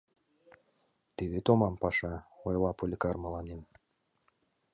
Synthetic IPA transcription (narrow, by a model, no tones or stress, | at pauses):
t̪ed̪et̪omɑmpɑʃɑojlˠɑpolʲikɑrmɤlˠɑnem